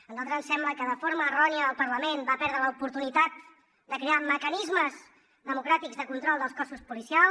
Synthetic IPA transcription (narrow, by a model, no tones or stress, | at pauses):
ənzalˠt̪ɾəzənsɛmləkəðəfoɾməːrɔniəəlˠpəɾləmenbapɛɾðɾələupuɾt̪unit̪at̪̚ | d̪əkɾeaməkənizməz | ðəmukɾat̪iɡzðəkunt̪ɾɔlˠd̪əlˠskɔsuspulisial